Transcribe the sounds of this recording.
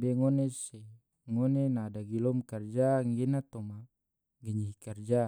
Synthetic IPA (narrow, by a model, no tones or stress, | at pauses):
bɛŋonesɛ | ŋonenaːdaɡilɔmkard͡ʒaŋɡenat̪ɔma | ɡəɲiɦikard͡ʒa